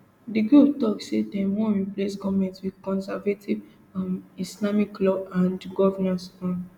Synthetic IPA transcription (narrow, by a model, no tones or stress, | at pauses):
diɡɹup̚tɔksedɛ̃mɔɹiplesɡɔvmɛ̃ntswidkɔ̃nsavetʰiv | amislamiklɔãndɡɔvɛnãsfɔ̃n